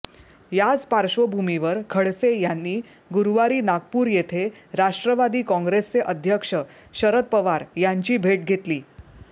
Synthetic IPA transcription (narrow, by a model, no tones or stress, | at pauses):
jad͡zpaɾɕʋəbʱumiʋəɾkʰəɽsejanːiː | ɡuɾʋaɾiːnaɡ̚puːɾjet̪ʰeɾaʂʈɾəʋad̪iːkɔ̃ŋɡɾest͡seʔəd̪ʱjəkʂə | ɕəɾət̪̚pəʋaɾjaɲt͡ɕiːbʱeʈ̚ɡʱet̪liː